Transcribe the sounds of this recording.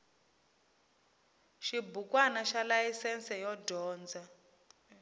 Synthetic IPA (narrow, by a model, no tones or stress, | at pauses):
ʃibukwanaʃalajisɛnsɛjɔdʱɔːnd͡za